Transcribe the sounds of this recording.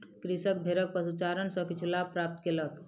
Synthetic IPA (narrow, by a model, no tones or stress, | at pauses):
kɾisək̚bʱeɾək̚pəsut͡ʃaɾənsə̃kit͡ʃʰulapɾap̚t̪kelək